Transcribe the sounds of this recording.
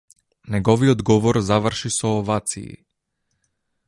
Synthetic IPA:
nɛɡɔviɔd̪ɡɔvɔɾzavrʃisɔːvat̪sḭː

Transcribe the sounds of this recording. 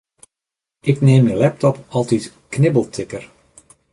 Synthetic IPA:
ʔɪkneːmənlɛp̚tɔpɑlˠtit | knɪbəlˠtʰɪkər

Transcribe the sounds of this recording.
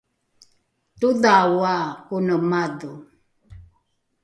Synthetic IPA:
tuðawakunəmaðu

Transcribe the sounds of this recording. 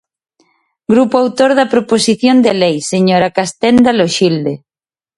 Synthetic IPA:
ɡɾupoawt̪oɾðɐpɾoposiθjond̪elejseɲoɾakast̪ɛnd̪aloʃild̪e

